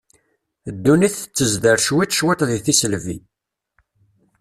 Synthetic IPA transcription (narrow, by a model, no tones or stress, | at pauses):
d̪ːuniθət͡sːəzd̪əɾʃwit͡sʃwɪt̪ˤðiθisəlvḭ